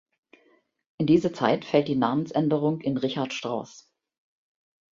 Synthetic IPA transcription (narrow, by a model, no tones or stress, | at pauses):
ʔɪndiːzɐt͡sa̰ɪtfɛlt̚d̥iːnaːmən̩sʔɛndəʁʊŋkɪnʁɪçaɐtʃtʁ̥aʊs